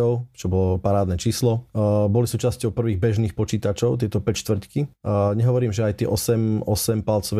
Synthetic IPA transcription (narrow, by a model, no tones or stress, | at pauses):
ɔʊt͡ʃɔbɔlɔpaɾaːd̪nɛt͡ʃiːslɔbɔlisuːt͡ʃascɔʊpr̩ʋiːɣbɛʒniːxpɔt͡ʃiːt̪at͡ʃɔʊt̪ɪɛt̪ɔpɛcʃt̪ʋr̩ckiɲɛɦɔʋɔɾiːmʒɛajt̪ɪɛ̰ʔɔsɛmɔsɛmpalt͡sɔʋɛ